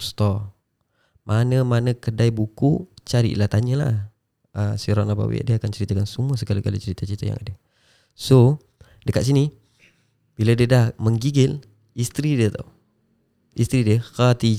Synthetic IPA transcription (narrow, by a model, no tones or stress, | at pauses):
st̪ɔ | mʔanəmanəkədajbukut͡ʃaɾḭʔlat̪aɲəla̰ | əsiɾɔnaba̰wḛʔdiakant͡ʃəɾit̪akansumuəsəɡalikalit͡ʃəɾit̪at͡ʃəɾit̪aja̰ŋa̰də | so | dəkat̪s̬ini | b̥iladiədahməŋɡiɡɪl | ist̪ɾidiət̪a̰ | ist̪ɾidiəxat̪i